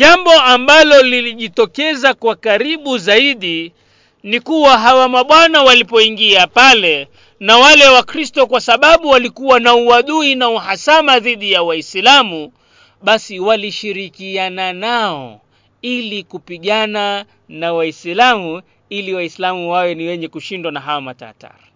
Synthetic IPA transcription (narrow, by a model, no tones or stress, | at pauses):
ʄambɔambalɔliliʄitɔkɛzakwakaɾiɓuzaiɗi | nikuwaɦawamaɓwanawalipɔiŋɡiapalɛ | nawalɛwakɾistɔkwasaɓaɓuwalikuwanauwaɗuinauɦasamaðiɗijawaislamu | ɓasiwaliʃiɾikiananaɔ̰ | ilikupiɠana | nawaislamu | iliwaislamuwawɛniwɛɲɛkuʃindwanaɦawamata̰ːta̰ɾa